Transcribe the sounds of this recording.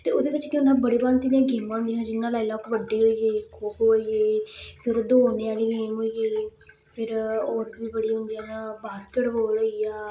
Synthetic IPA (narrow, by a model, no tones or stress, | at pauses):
t̪eːoːd̪eːʋɪt͡ʃkɪ̃ʊ̃nd̪ãːbəɽeːbaːnt̪ɪnijãːɡɪːmãːnd̪ɪɦãːd͡ʒɪnːãːlaːilɔːkʋəɖːiːɦoːiːeːkʰʊːpɦoːiːeːpʰɪɾd̪oːneːaːliːẽːmɦoːijeː | pʰɪɾoːɾbiːbəɽiːɦʊ̃nd̪iãːnãːbaːskeʈboːloːiːaː